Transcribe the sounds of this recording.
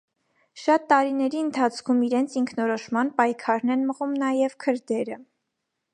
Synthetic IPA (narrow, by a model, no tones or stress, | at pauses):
ʃɑt̪ːɑɾinɛɾiənt̪ʰɑt͡sʰkʰumiɾɛnt͡sʰiŋkʰnɔɾɔʃmɑnpɑjkʰɑɾnɛnməʁumnɑjɛvkʰəɾd̪ɛɾə